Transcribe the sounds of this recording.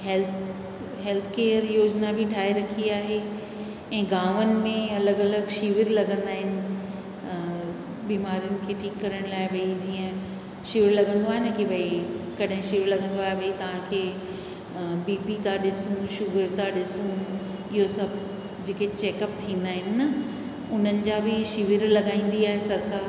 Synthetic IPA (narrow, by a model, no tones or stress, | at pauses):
ɦɛl | ɦɛlt̪ʰkeːəɾjoːd͡ʑnabʱiʈʰaːɦeɾɐkʰiaːɦe | ɛ̃ːɡaːʋənɪ̆mẽɐləɡɐləɡʃiʋɪɾlɐɡə̃nd̪aːɦɪnɪ̆ | biːmaːɾijʊnɪ̆kʰeːʈʰiːkːɐɾəɽ̃laːɪʋɐid͡ʑiːə̃ | ʃɪʋɪɾlɐɡə̃nd̪oaːɦɪnəkiʋɐikɐɗɦɪ̃ʃiʋɪɾlɐɡə̃nd̪oaːɦeʋɐit̪ɐʋ̤ãkʰeː | biːpit̪aɗɪsũʃʊɡəɾt̪aɗɪsũ | ɪɦosɐbʱ | d͡ʑeːket͡ɕeːkəp̚t̪ʰĩːnd̪aːɦɪnɪ̆nɐ | ʊn̤ənɪ̆d͡ʑaːbʱɪʃiʋɪɾlɐɡaːĩːn̆d̪iaːɦesɐɾkaːɾ